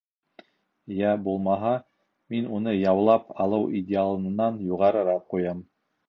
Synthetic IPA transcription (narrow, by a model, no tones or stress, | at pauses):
jæbulˠmɑɦɑ | minunɤjɑwlˠɑpɑlˠɤwʔidʲɪalˠɤ̆nɤ̆nɑnjuʁɑɾɤ̆ɾɑp̚qujɑm